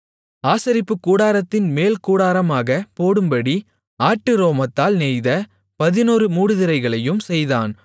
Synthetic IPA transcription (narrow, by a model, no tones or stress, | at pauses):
aːsɐɾɪpːɯkːuːɽaːɾɐt̪ːɪnmeːlkuːɽaːɾɐmaːɣɐpoːɽɯmbɐɽi | aːʈːɯɾoːmɐt̪ːaːlnɛjðɐ | pɐðɪnuːɾɯmuːɽɯðɪɾɐɪɣɐɭɐjɯmsɛjðaːn